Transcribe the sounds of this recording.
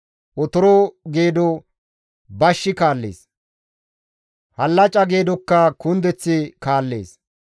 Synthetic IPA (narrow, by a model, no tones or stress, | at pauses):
ʔɔt̪ɔɾɔɡe̞ːd̪ɔ | bɐʃːɪkaːlːḛːs | hɐlːɐt͡ʃʼɐɡe̞ːd̪ɔkːɐkʊnd̪ɛt͡sːɪkaːlːeːs